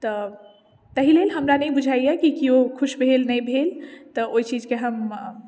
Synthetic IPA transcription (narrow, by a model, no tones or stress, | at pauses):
t̪ɔ | t̪əɦilelɦəmɾanəjbud͡ʒʱaijekikiokʰuʃbʱelnəjbʱelt̪ɔoit͡ʃid͡ʒʱkeɦəm